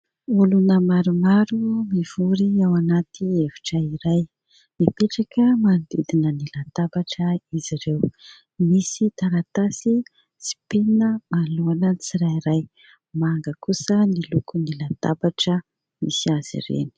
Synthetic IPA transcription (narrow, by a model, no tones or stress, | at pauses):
ulunəmaɾumaɾumiv̥uɾiawanat̪ievi̥ʈ͡ʂəiɾaj | mipeʈ͡ʂakəmand̪id̪inənilat̪abaʈ͡ʂəiziɾew | misit̪aɾat̪asi | si̥penəmaluanət͡siɾajiɾaj | maŋɡəkusənilukunilat̪a̰baʈ͡ʂə | mḭsiaz̥ḭrḛni̥